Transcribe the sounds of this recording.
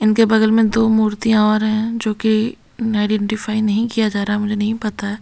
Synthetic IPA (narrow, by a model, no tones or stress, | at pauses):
ɪnkebɐɡ̪əlmẽd̪oːmuːɾt̪ijãɔːɾɦɛ̃d͡ʒoːki | aːɪɖɛ̃ːɳʈɪfaːinɐɦĩkijad͡ʒaːɾaɦɛmʊd͡ʒʱenɐɦĩpɐt̪aɦɛː